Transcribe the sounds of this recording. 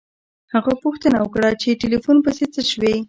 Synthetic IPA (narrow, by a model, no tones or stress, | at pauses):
haɣapuxt̪ənawəkɽat͡ʃeʈelifunpəset͡səʃwe